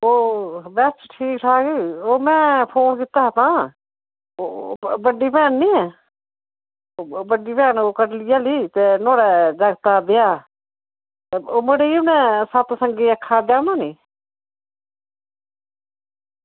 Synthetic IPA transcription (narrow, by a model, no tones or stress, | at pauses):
oːbɛːst͡ʃʈʰiːkʈʰaːɡeːoːmɛ̃ːpʰoːnkɪt̪ːaːɦt̪ãː | obəɖːiːpɛːnnĩːɛː | bəɖːiːpɛːnoːkəɾlɪjaːliːt̪eːnoːɽɛːd͡ʒaɡt̪aːb̪ɪjaː | eoːmeɽeːiːʊnɛ̃ːsət̪səŋɡeːəkʰːaːd͡ʒ̪aːnãːniː